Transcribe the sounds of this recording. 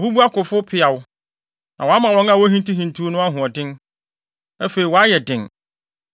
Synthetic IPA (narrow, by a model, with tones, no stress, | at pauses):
ɔ˨bu˦bu˦a˦kʊ˨fʊ˦pʰɪ˦a˨wʊ˦ | nã˨wɔ˨a˦mã˨wɔ̃˨˦ŋa˦˨wɔ˦ɦĩ˦n˦ti˦ɦĩ˨n˨tʰu˦o˦nʊ̃˦a˦ɦʊ̃˨ɔ˨dɪ̃˦n | æ˦fe˨i˨wɔ˨a˦jɛ˨dɪ̃˨n